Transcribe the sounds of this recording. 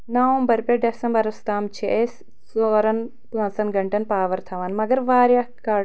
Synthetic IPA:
nɐʋɐmbɐɾpʲeɖesɐmbɐɾɐst̪aːmt͡ʃʰeʔes | soːɾɐn | plɐ̃nsɐnɡɐɳʈɐnpaːʋɐɾt̪ʰɐʋaːnmɐɡɐɾʋaːɾjakaː

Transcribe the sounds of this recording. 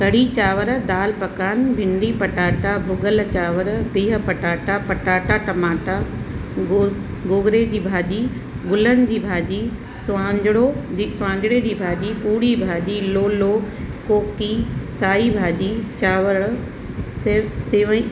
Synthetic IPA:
kɐɽit͡ɕaːʋəɾd̪aːlpɐkaːnbʱɪ̃ɳɖipɐʈaːʈabʱʊɡəlt͡ɕaːʋəɾb̪eːɦə̆pɐʈaːʈapɐʈaːʈaʈɐmaːʈa | ɡoːɡɾed͡ʑiːbʱaːɗi | ɡʊlənɪ̆d͡ʑiːbʱaːɗi | sʊʋãːɲd͡ʑɪɽod͡ʑiːsʊʋãːɲd͡ʑɪɽed͡ʑiːbʱaːɗipuːɽibʱaːɗiloːlo | koːkisaːibʱaːɗit͡ɕaːʋəɽ | sɪseːʋ

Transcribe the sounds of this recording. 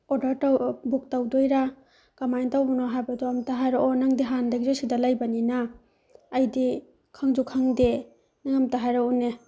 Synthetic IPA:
ɔdaɾtawbuk̚tawdojɾa | kamajntawbɔnɔɦajbadɔamtaɦajɾaʔɔnaŋdiɦandaɡizɔsidalajbaninaː | jdi | kʰaŋd͡ʒukʰaŋde | naŋamtaɦajɾaune

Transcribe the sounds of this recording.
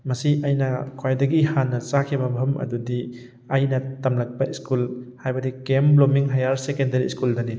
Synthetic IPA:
mɐsiʔɐjnɐkʰajdɐɡihanːɐzakʰibɐbʱɐmɐ̰dudi | ɐjnɐtɐmlɐk̚bɐiskulhajbɐdikemblomiŋɦajaɾsekendɐɾiskuldɐni

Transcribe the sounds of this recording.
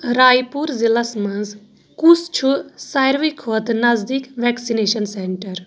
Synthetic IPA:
ɾaːjpuɾzilasmɐnz | kust͡ʃʰusajɾʋikʰot̪nɐzd̪ikʋɛːksineʃɐnseɳʈɐɾ

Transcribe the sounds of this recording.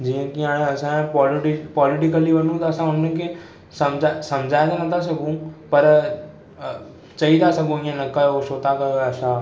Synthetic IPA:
d͡ʑiːə̃kiãːɽ̃ɐsãpɔːlʈipɔːlɪʈɪkəliʋɐnũt̪aɐsãʊnəkʰe | sɐmd͡ʒasɐmd͡ʑʱaːẽt̪anɐt̪ʰas̬ɐɡũpɐɾ | t͡ʃɐid̪asɐɡũĩə̃nɐkɐjoʃoːt̪akɐjoɛsã

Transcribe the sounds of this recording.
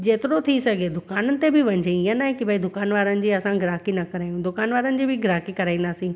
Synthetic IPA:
d͡ʑeːt̪ɪɾot̪ʰisɐɡʱed̪ʊkaːnənɪ̆t̪ebɪʋɐ̃ɲd͡ʑeɪənaːɦekibʱɐid̪ʊkaːnʋaːɾənɪ̆d͡ʑiːɐsãɡɪɾaːkinɐkɐɾaːjũd̪ʊkaːnʋaːɾənɪ̆d͡ʑiːbʱɪɡɪɾaːkikɐɾaːĩnd̪aːsĩː

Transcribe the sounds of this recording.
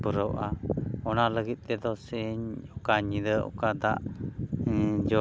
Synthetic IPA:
pəɾɔwʔaɔnaləɡit̪̚ˀt̪ɛd̪ɔsɛɲɔkaɲid̪əʔɔ̰kad̪aʔ | d͡ʒɔ

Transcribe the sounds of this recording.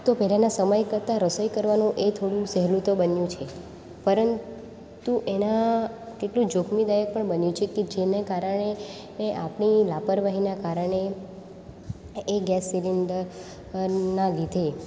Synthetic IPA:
t̪opɛlanasəməjkəɾt̪aɾəsəjkəɾʋanũʔet̪ʰoɽũsɛɦlut̪obənjũt͡ʃʰe | pəɾən | t̪uʔena | keʈlũd͡ʒokʰmid̪ajək̚pəɳbənjũt͡ʃʰeked͡ʒenekaɾəɳ̃e | ʔapɳilapəɾʋaɦinakaɾəɳ̃e | ɡɛsːilinɖəɾ | nalid̪ʱe

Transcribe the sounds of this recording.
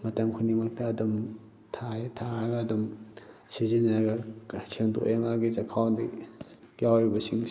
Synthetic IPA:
mɐtɐmkʰunimɐk̚tɐːdum | tʰajtʰaɐɡɐːdumsiziniɾaɡɐsʰeŋdo̰ʔʔemaɡisɐkʰawndɐ | jawɾibɐsiŋ

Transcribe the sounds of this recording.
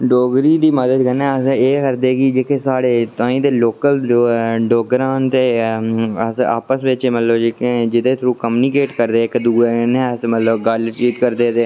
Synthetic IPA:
ɖoːɡɾiːd̪iːməd̪əd̪kənɛ̃ːəseːkəɾd̪eːɡid͡ʒeːkeːsaːɽeːt̪ãːĩːd̪eːloːkəlɖoːɡɾaːnt̪eː | əsa̰ːpəsʋɪt͡ʃːmət̪ləbd͡ʒɪked͡ʒɪd̪eːt̪ʰɾuːkmuːnikeːʈkəɾd̪eːɪkd̪uːeːənɛ̃ːəsmət̪ləbɡaːlʈiːt̪kəɾd̪eːt̪eː

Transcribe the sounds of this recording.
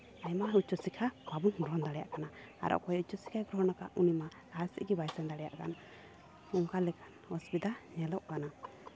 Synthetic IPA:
aɲmaut͡ʃɔsikʰababuŋɡɾɔɦnd̪aɽɛja̰ʔkanaa̰ɾʔɔ̰ʔkɔjut͡ʃːɔsi̥kʰaɡɾɔɦnaka̰ʔunima | asḭʔɡibajsɛnd̪aɽɛja̰ʔka̰n | uŋkalɛkanɔsbid̪aɲɛlɔʔkana

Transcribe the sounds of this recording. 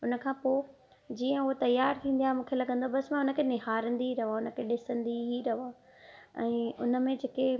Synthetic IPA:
ʊnə̆kʰãːpoː | d͡ʑiːə̃ʊɦot̪ɐjːaːɾt̪ʰĩːn̆d̪ijaːemũːkʰelɐɠə̃nd̪oabɐsmãʊnə̆kʰenɪɦaːɾə̃nd̪iɦiɾɐɦaːʊnə̆kʰeːɗɪsə̃nd̪iɦiɾɐɦoaː | ɛ̃ːʊnə̆mẽd͡ʑeːke

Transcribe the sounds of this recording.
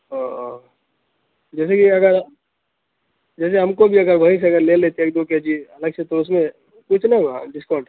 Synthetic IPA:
ɦa | d͡ʒɛːsekiɐɡəɾ | d͡ʒɛːs̬eɦɐmkobʱiɐɡəɾbʱɐĩs̬eɐɡəɾleleːt̪eeːk̚d̪oked͡ʒiɐləɡsʰet̪oʊs̬mẽ | kʊt͡ʃʰnɐɡãɖɪskɔːɾɖ

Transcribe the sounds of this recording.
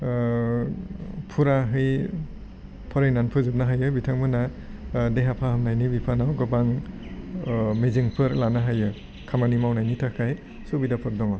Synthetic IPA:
pʰuɾaɦɯj | pʰɔɾajnanpʰɯzɯp̚naɦajɯbitʰaŋmɯna | deɦapʰahɯmnajnibipʰanawɡɯbaŋ | meziŋpʰɯɾlanaɦajɯ | kʰamanimawnajnitʰakʰaj | subidapʰɯɾdɔŋɔ

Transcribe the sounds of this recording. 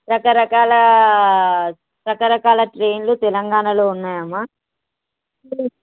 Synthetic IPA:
ɾɐkɐɾɐkaːlɐ | ɾɐkɐɾɐkaːlɐʈɾe̞ːnlut̪ɛlɐŋɡaːnɐlo̞ːunːaːjɐmːa

